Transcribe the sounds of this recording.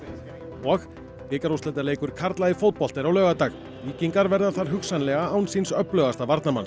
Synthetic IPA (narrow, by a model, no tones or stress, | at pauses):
ɔx | pɪːkaɾost̪ɛt̪aleːjkʏɾ̥kʰaɾt̪laðɪfowt̪̚pɔl̥t̪ɪɾawlœːɣat̪aɣ | liːciŋkaɾvɛɾðaθaɾ̥ɦʏksanlɛɣaawnsinsœplœɣast̪avaɾt̪nama̰ns